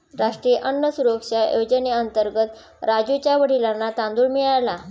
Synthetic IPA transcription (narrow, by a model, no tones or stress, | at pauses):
ɾaʂʈɾijəʔənːəsuɾokʂajod͡ʑəneənt̪əɾɡət̪ | ɾad͡ʑut͡ɕjaʋəɽ̤ilanːat̪ãnd̪uːɳmiɭala